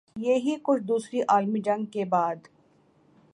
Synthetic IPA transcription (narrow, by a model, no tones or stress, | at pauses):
jeɦikʊt͡ʃʰd̪uːsɾiʔaːlmid͡ʒɐ̃ŋɡ̚kebaːd̪